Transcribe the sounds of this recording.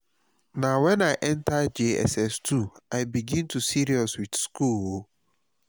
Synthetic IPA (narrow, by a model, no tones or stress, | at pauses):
nãwɛ̃naɪʔɛ̃ntʰad͡ʒeɛ̰sɛstʰuaɪbiɡĩntʰusiɾiɔswidskulwo